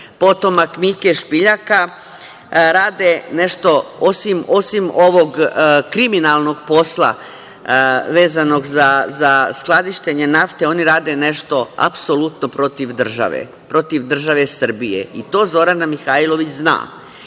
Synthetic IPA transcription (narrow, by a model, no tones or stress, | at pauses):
po̞t̪o̞makmikeʃpiʎaka | ɾaːd̪ene̞ʃt̪o̞o̞simo̞simo̞ʋo̞ɡkɾiminalˠno̞ɡpo̞slˠa̰ | ʋe̞ːzano̞ɡzazasklˠad̪iʃt̪e̞ɲe̞naft̪e̞o̞niɾaːd̪ene̞ʃt̪o̞a̰psolˠut̪nopɾo̞t̪iʋd̪r̩ʒa̰ʋḛ | pɾo̞t̪iʋd̪r̩ʒaʋe̞sər̩bijḛit̪o̞ːzo̞ɾanamixailo̞ʋit͡ɕzna̰ː